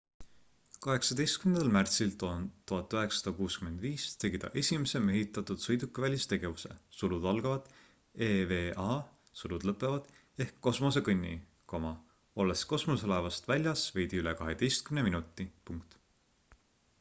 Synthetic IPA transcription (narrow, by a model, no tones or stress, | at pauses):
kɑɦe̞ksɑd̪e̞jst̪̚kymnd̪ɑlmært̪silt̪ont̪uɦɑt̪ːˑøɦe̞ksɑd̪ɑkuːskyme̞nd̪viːst̪e̞ɡid̪̥ɑ̰ʔe̞sʲimese̞meɦit̪ːˑɑt̪ːˑud̪̥sɤjd̪ukːˑevælʲist̪e̞ɡ̥e̞vuse̞̰sulud̪ɑlɡ̥ɑvɑd̪̥ | eːveːʔɑ | sulud̪̥lɤpːˑe̞vɑd̪̥ | e̞hkːo̞smo̞s̬e̞kɤnʲːḭ | ko̞mɑ | o̞lːesko̞smosolɑvɑst̪vælʲjɑsve̞jd̪̥iyle̞kɑɦed̪̥e̞jst̪̚kymneminut̪ːˑipuŋkt̪